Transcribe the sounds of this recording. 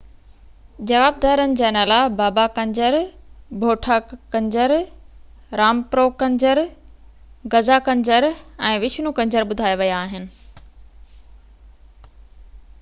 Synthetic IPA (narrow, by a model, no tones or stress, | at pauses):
d͡ʑɐʋaːb̚d̪aːɾənɪ̆d͡ʑaːnaːlabaːbakɐ̃ɲd͡ʑəɾbʱoːʈʰakɐ̃ɲd͡ʑəɾ | ɾaːmpɾoːkɐ̃ɲd͡ʑəɾ | ɡɐzakɐ̃ɲd͡ʑəɾɛ̃ːʋɪt͡ɕʰnũkɐ̃ɲd͡ʑəɾɓʊd̪ʱaːjeʋɐjaːɦɪnɪ̆